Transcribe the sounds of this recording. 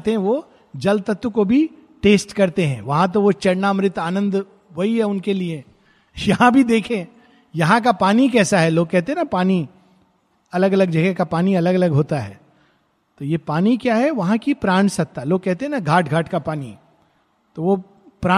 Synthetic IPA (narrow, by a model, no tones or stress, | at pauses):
t̪eɦɛ̃ʋo | d͡ʒɐlt̪ɐt̪ːukobʱi | ʈeːsʈkɐɾt̪eɦɛ̰̃ːʋɐɦãt̪̬oʋot͡ʃɐɽnamɾɪt̪aːnə̃nd̪ | ʋoiɦɛʊnkelie | jɐɦãbʱid̪eːkʰẽ | jɐɦãk̬apaːnikɛːsaɦɛloːɡ̚kɛɦt̪eɦɛnapaːni | ɐləɡɐləɡd͡ʒɐɡɛkapaːniɐləɡɐləɡɦoːt̪aɦɛ̰ː | t̪ojepaːnikjaːɦɛʋɐɦãkipɾaːɳ̃sɐk̚t̪aɦɛloːɡ̚kɛɦt̪eɦɛ̃naɡʱaːʈɡʱaːʈkapaːnḭ | t̪oʋo | pɾaː